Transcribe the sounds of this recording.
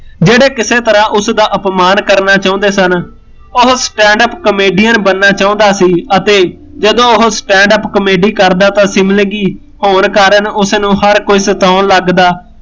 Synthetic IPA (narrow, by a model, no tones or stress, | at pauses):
d͡ʒeːɽeːkɪseːt̪əɾãːʔʊsd̪aːʔəpmaːnkəɾnaːt͡ʃaːõnd̪eːsən | ʊɦsʈɛ̃ːɳɖəpkəmeːɖiːənbənːaːt͡ʃaːõːnd̪aːsiːət̪eː | d͡ʒəd̪õːʊɦsʈɛ̃ːɳɖəpkəmeːɖiːkəɾd̪aːt̪ãːsɪmlə̃ɡiː | hoːnkaːɾənʊsnũːhəɾkoiːsət̪aːnləɡd̪aː